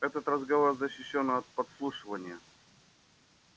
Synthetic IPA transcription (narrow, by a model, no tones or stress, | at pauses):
ɛt̪ət̪rəzɡɐvorzəɕːɪɕːonːɐt̪̚pɐt̪slˠuʂɨvənʲɪjə